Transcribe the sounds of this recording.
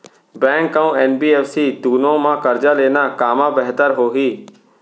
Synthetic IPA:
bɛ̃ːŋkːaũɛːnbiːɛːfsid̪uːnõmãkəɾd͡ʒaleːnakaːmãbɛɦt̪əɾɦoːɦiː

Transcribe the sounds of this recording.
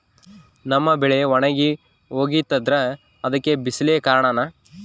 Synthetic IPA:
nɐmːɐbɛɭeʋɔɳɐɡi | oːɡit̪ːɐd̪ɾɐ | ɐd̪ɐkːebisɐlejɐkaːɾɐɳanaː

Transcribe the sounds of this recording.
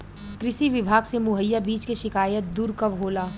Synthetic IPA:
kɾɪʃiʋɪbʱaːɡsemʊɦəjːabiːt͡ʃkeʃɪkaːjət̪̚d̪uːɾkɐʋɦoːlaː

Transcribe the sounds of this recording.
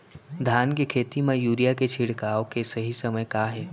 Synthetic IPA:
d̪ʱaːnkekʰeːt̪imẽjuːɾijaket͡ʃʰɪɽ̤kaːokesɐɦisɐməjkaːɦɛː

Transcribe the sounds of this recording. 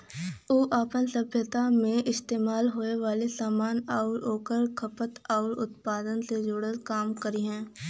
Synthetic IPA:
oːʔaːpənsəbʱjət̪amẽɪst̪eːmaːlɦoːeʋaːlesaːmaːnɔːɾoːkəɾkʰɐpət̪ɔːɾʊt̪paːd̪ənsed͡ʒʊɽəzkaːmkəɾiɦɛ̃ː

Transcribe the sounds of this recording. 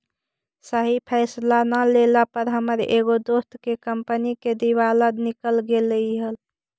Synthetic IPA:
səɦipʰɛːslanəlelapəɾɦəməɾḛɡod̪ost̪kekəmpəniked̪iʋaləd̪nikəlɡeləiɦəl

